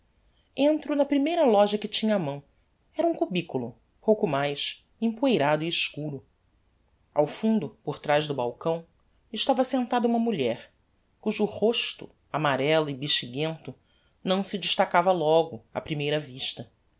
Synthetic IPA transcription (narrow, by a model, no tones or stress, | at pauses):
ẽnt̪ɾʊnɐpɾimejɾɐlɔʒɐkɪt͡ʃĩɲɐːmɐ̃w̃ | ɛɾɐũkubikulʊ | powkʊmajʃ | ẽpuejɾad̪ʊiːʃkuɾʊ | a̰wfũnd̪ʊpoɾt̪ɾajzʒd̪ʊbawkɐ̃w̃ | ɪʃt̪avɐsẽnt̪ad̪ɐũmɐmuʎɛɾ | kuʒːhoʃt̪ʊ̰ | amaɾɛlʊɪbiʃt͡ʃiɡẽnt̪ʊ | nɐ̃w̃sɪd͡ʒiʃt̪akavɐlɔɡʊɐ̰pɾimejɾɐviʃt̪ɐ